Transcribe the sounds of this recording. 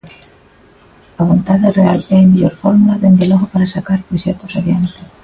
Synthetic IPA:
aβ̞ont̪aðerealeajmeʎoɾfoɾmulaðend̪eloxopaɾasakaɾpɾoʃet̪osaβjant̪e

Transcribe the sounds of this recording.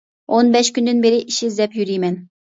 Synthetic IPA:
onbɛʃkʲynd̪ɨnbeɾɪʔiʃizd̪ɛpjyɾijmɛn

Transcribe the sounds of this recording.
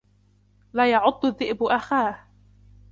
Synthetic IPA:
laːjɑʕʊd̪ˤːʊðːɪʔbʊʔaxaːh

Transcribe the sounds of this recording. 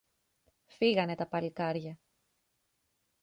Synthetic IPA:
fiɣɐne̞t̪ɐpɐlikɐɾʝɐ

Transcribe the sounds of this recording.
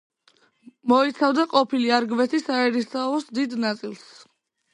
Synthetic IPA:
mɔit̪sʰavd̪aqʼɔpʰiliaɾɡvɛt̪ʰisaɛɾisaɔsd̪id̪nat̪sʼilˠs

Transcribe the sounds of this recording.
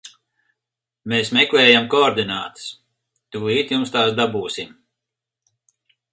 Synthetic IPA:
meːsmɛklɛːjamkɔːɾd̪inaːt̪ɨ̥s | t̪uːiːt̪jumst̪aːsd̪abuːsim

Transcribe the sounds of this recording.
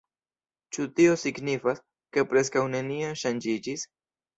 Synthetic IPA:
t͡ʃutio̞siɡnifas | ke̞pɾe̞s̬kawne̞nionʃand͡ʒid͡ʒis

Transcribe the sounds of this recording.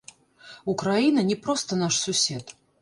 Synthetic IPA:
ukɾajinɐnʲɛpɾɔst̪ɐnaʂsusʲɛt̪

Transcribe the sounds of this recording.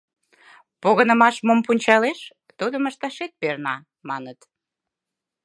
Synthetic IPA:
poɣənəmɑʃmompunʲt͡ɕɑleʃ | t̪ud̪əməʃt̪ɑʃet̪̚pernɑ | mɑnət̪

